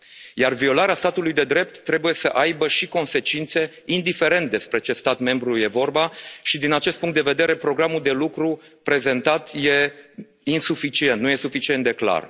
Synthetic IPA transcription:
jarvio̞laɾeast̪at̪ulujd̪e̞d̪ɾe̞p̚t̪ːɾe̞buje̞səʔajbəʃiko̞nse̞t͡ʃint̪se̞ | ind̪ife̞ɾe̞nt̪̚d̪e̞spɾe̞t͡ʃe̞st̪at̪me̞mbɾuje̞vo̞rbaʃid̪inat͡ʃest̪̚puŋkt̪d̪eve̞d̪e̞ɾe̞pɾo̞ɡɾamuld̪e̞lukɾu | pɾe̞ze̞nt̪at̪je̞ | insufit͡ʃie̞nt̪nuje̞sufit͡ʃie̞nt̪d̪e̞kla̰r

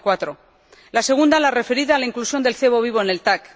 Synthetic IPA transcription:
kwat̪ɾo̞ | lase̞ɣ̞und̪alare̞fe̞ɾiðalaiŋklusjo̞nd̪e̞lθe̞β̞o̞βiβ̞o̞ene̞lt̪ak

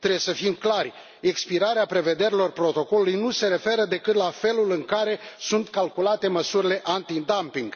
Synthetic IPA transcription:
t̪ɾejesəfimklarʲ | e̞kspiɾaɾeapɾe̞ve̞d̪e̞ɾilo̞rpɾo̞t̪o̞ko̞lulujnuse̞ɾe̞fe̞ɾəd̪e̞kɨt̪lafe̞lulɨŋkaɾe̞sunt̪kalkulat̪e̞məsuɾile̞ʔant̪id̪ampiŋɡ

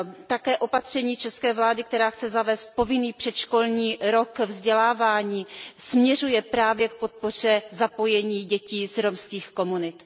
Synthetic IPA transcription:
t̪akɛːʔo̞pat̪r̝̥ɛɲiːt͡ʃɛskɛːvlaːdɪk̚t̪ɛɾaːxt͡sɛzavɛːst̪̚po̞vɪniːpr̥ɛt̪ʃkolɲiːɾo̞kvzɟɛlaːvaːɲiːsmɲɛrujɛpɾaːvjɛk̚po̞t̪̚por̝ɛzapo̞jɛɲiːɟɛciːzɾomskiːxko̞munɪt̪

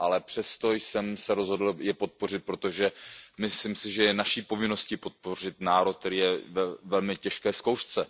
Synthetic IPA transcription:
ʔalɛpr̥ɛst̪o̞jsɛmsɛɾozɦo̞dl̩jɛpo̞t̪̚po̞r̝ɪt̪̚pɾo̞t̪o̞ʒɛmɪslɪmsɪʒɛjɛnaʃiːpo̞vɪno̞scɪpo̞t̪̚po̞r̝ɪt̪naːɾot̪̚t̪ɛɾiːjɛvɛvɛlmɪcɛʃkɛːskowʃt͡sɛ

